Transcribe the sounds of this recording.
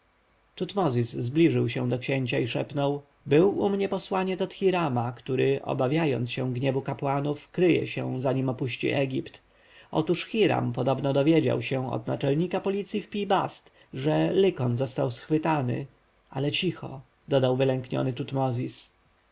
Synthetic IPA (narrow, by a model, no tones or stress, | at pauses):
t̪ut̪mɔzʲizzblʲiʐɘwɕɛ̃w̃d̪ɔkɕeɲt͡ɕaiʂɛpnɔw | bɘwumɲɛpɔswaɲɛt̪ɔt̪xʲiɾamakt̪uɾɘʔɔ̰bavʲjajɔ̰nt̪sɕɛ̃ɡɲɛvukapwanufkɾɘjɛ̰ɕɛ̰w̃zaɲimɔpuɕt͡ɕḭʔɛɡʲipt̪ | ɔ̰t̪uʂxʲiɾa̰mpɔd̪ɔbnɔd̪ɔvʲjed͡ʑa̰wɕɛ̃ɔ̰d̪nat͡ʂɛlɲikapɔlʲit̪sʲjifpʲibast̪ | ʐɛlɘkɔnzɔst̪awsxfɘt̪anɘ̰ | ʔa̰lɛt͡ɕixɔ̰ | d̪ɔd̪awvɘlɛŋkɲɔ̰nɘt̪ut̪mɔzʲis